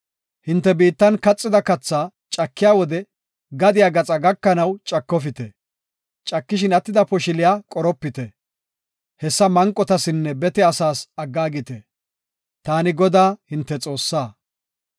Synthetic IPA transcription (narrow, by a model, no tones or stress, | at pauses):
hɪnt̪ːɛbiːt̪ːɐnkɐt͡sʼːɪd̪ɐkɐt͡sːaː | t͡ʃʼɐkːɪjaːwɔd̪ɛ | ɡɐd̪ɪjaɡɐt͡sʼɐɡɐkːɐnɐwt͡ʃʼɐkːɔfɪt̪ɛ | t͡ʃʼɐkːɪʃ̬ɪnɐt̪ːɪd̪ɐpɔʃɪlɪjaːkʼɔɾɔpːɪt̪ɛ | hɛsːɐmɐŋkʼːɔt̪ɐsɪnːɛbɛt̪ɛɐsaːsɐɡːaːɡɪt̪ɛ | t̪aːnɪɡɔd̪aːhɪnt̪ːɛt͡sʼo̞ːsːaː